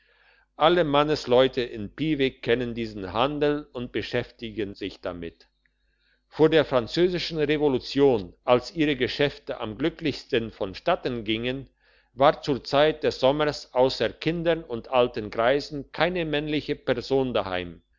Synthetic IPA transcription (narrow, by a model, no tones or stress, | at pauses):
ʔaləmanəslɔʏtʰəʔɪnpiːvɪkʰːɛnəndiːzn̩ɦandl̩ʊnt̚b̥əʃɛftɪɡənzɪçd̥a̰mɪt | foːɐdeːɐfʁ̥ant͡søːzɪʃn̩ʁevolut͡sjoːnʔalsʔiːʁəɡəʃɛftəʔa̰mɡlʏklɪçstənfɔnʃtatənɡɪŋən | vaːɐt͡suːɐt͡saɪt̚d̥ɛsz̥ɔməsʔaʊsɐkʰɪndɐnʊntʔaltənɡʁaɪzn̩kʰaɪnəmɛnlɪçəpɛɐzoːndaha̰ɪm